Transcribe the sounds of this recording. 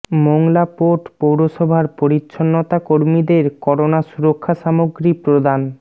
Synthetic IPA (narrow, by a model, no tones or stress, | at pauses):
moŋlapoʈpowɾoʃɔbʱaɾpoɾitːʃʰonːot̪akoɾmid̪eɾkɔɾonaʃuɾokʰːaʃamoɡɾipɾod̪an